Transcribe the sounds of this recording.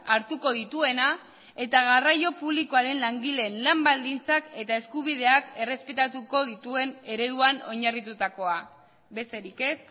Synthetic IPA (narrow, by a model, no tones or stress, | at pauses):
aɾt̪uko̞ðit̪ue̞na | e̞t̪aɣarajo̞puβliko̞aɾe̞nlaŋɡile̞ːnlambald̪int͡sake̞t̪ae̞skuβ̞ið̞e̞ake̞re̞spe̞t̪at̪uko̞ðit̪ue̞ne̞ɾe̞ðuano̞ɲarit̪ut̪ako̞a | be̞st̪e̞ɾike̞s